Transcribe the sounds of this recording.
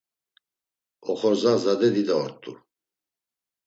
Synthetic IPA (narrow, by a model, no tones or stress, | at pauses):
ɔχɔɾzazad̪ɛd̪id̪aɔɾt̪ʼṵ